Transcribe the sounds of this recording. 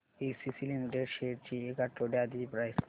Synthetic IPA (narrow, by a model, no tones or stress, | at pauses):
esisilimiʈeɖʃeɾt͡ɕʰiekaʈːoɖead̪iipɾajs